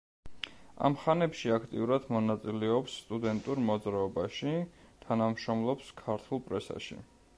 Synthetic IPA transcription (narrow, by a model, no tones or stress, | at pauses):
a̰mχanɛpʃiakʰt̪ʼḭuɾad̪̥mɔnat̪sʼilɛɔpsːt̪ʼud̪ɛnt̪ʼuɾmɔd̪zɾaɔbaʃi | t̪ʰanamʃɾɔmlˠɔpskʰaɾt̪ʰulˠpʼɾɛsa̰ʃḭ